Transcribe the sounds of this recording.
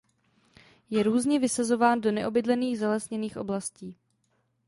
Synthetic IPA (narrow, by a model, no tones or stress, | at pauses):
jɛɾuːzɲɛvɪsazo̞vaːndonɛʔo̞bɪdlɛniːɣzɛlɛsɲɛniːxʔo̞̰blasciː